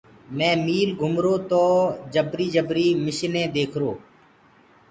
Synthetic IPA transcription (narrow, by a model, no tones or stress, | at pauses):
mɛ̃ːmiːlɡʱʊmɾoːt̪oːd͡ʒəbɾiːd͡ʒəbɾiːmɪʃnẽːd̪eːkʰɾoː